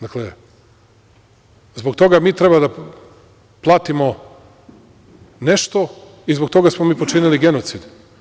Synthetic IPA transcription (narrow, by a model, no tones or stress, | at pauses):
d̪akle | zbok̚t̪o̞ɡamiːt̪ɾe̞bad̪a | plˠaːt̪imo | ne̞ʃt̪o̞ | izbo̞k̚t̪o̞ɡasmomiːpot͡ʃiniliɡe̞not̪sid̪